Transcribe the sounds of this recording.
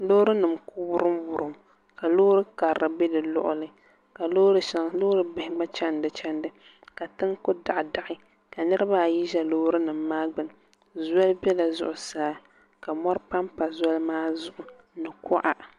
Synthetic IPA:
loː˦ɾɨ˦nɨ˨mku˦bʊ˦ɾɨ˦mbʊ˨ɾɨ˨m | ka˨loː˦ɾɨ˦ka˨ɾɨ˨be˦dɨ˨lʊ̰˦ʔʊ̰˦lɨ˦ | ka˨loː˦ɾɨ˦ʃa˨ŋlo˦ɾɨ˦bɪ˨hɪ˨˦ɡ͡ba˦t͡ʃɛ˦ndɨ˨t͡ʃɛ˦ndɨ˦ | ka˨tɨ˦ŋkʊ˦da˨ʔda˨ʔɪ˦ | ka˨nɨ˦ɾɨ˦ba˦˨ji˦ʒɛ˦lo˦ɾɨ˦nɨ˨mːaː˦ɡ͡bɨ˨n˨ | zɔ˦lbɛ˦la˨zʊ̰˨ʔʊ˨saː˦ | ka˨mɔ˦ɾpa˦mpa˨zɔ˦lmaː˦zʊ˨ʔʊ˨ | nɨ˨kʰɔ˦ʔa˦

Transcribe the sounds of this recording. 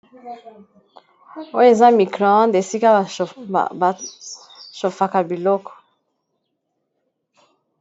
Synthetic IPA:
o˦e˨za˦mi˨kɾɔ̃˨˦nde˨si˦ka˦˨ | ʃo˨fa˨ka˨bi˨lɔ˦kɔ̥˨

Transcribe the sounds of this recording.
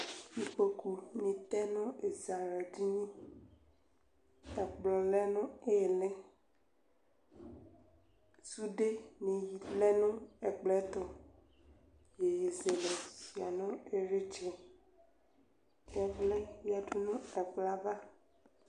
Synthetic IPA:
ji˨k͡pe˨ku˨mĩ˨t̪ɛ˦nɔ̃˦e˨za˨ɾɛ˨ɖi˦ɲĩ˦ | ɛ˨k͡plɔ̃˨lɛ˦nɔ̃˦e˦je˨lɛ̃˦ | su˦ɖe˦mĩ˨ji˨lɛ˦nũ˦ɛ˨k͡plɛ˦t̪ɔ˨ | je˨je˨ze˨le˨si˨a˨nɔ̃˦e˨ɾe˦t͡ʃɛ˨ | jɛ˦vlɛ˦mi˦a˨ɖu˦nũ˦ɛ˨vla˦va˦

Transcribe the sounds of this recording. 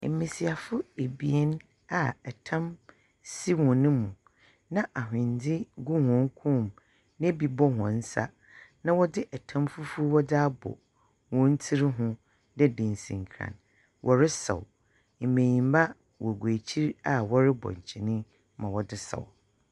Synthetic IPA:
mĩ˨si˨a˨fʊ˦e˨bi˨ɛ˦n | a˨ɛ˨tʰã˦m | si˦wɔ̃˨nɪ̃˦mũ˨ | nã˦ʔa˨ɦɪ̃˨n˨dɪ˦ɡu˦hɔ̃˨˦ŋ˦kʰũ˦˨m | n˦ɛ˦bi˨bɔ˦hɔ̃˨n̩˦sa̰˦ | nã˦wɔ˦dɪ˦ʔɛ˨tʰã˦mfu˦fu˦wɔ˦da˦bɔ̰˨ | wɔ̃˦n̩˦tʰi˦ɾɦʊ̃˦ | dɛ˦dɪ̃˨n˨sḭ̃˨ŋ˨kʰɾã̰˨n | wʔɔ˨ɾɪ˦sɛ̰˨w | m̩˨mẽ˨ɲĩ˨m˦ba˦ | wʔɔ˨ɡwæ˨t͡ɕʰi˦ɾa˨wɔ˦ɾɪ˦bɔ̰˨ɲ˨t͡ɕʰi˨nɪ̃˦ | mã˨wɔ˨dɪ˦sɛ̰˨w

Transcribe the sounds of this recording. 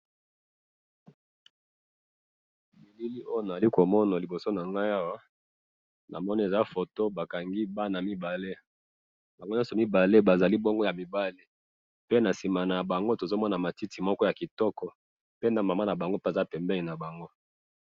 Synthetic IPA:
mi˨li˦li˦o˦jo˦˨na˨a˨li˦ko˨mɔ˦na˨li˨bo˨so˦na˨ŋɡa˦ja˦wa˦ | nʔa̰˨mɔ˦ni˦e˨za˦fo˨to˦ba˨ka˨ŋɡi˦ba˦na˨mi˦ba˨le˦ | ba˨ŋɡo˦jɔ̃˦sɔ˨mi˦ba˨le˦ba˨za˨li˦bo˦ŋɡo˦ja˨mi˨ba˦le˦ | pe˦na˨si˨ma˨na˨ja˨ba˨ŋɡo˦to˨zo˦mɔ˦na˨ma˨ti˦ti˨mɔ˦kɔ˦ja˨ki˨tɔ˦kɔ˦ | pe˦na˦ma˨ma˦na˨ba˨ŋɡo˦pe˦˨za˦pɛ˨mbɛ˦li˨na˨ba˨ŋɡo˦

